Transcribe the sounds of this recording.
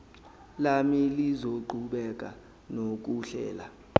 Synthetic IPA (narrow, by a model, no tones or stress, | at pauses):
lamilizoǃʱuɓɛk̬ʼa̰ | nok̬uɬɛ̰ːla̰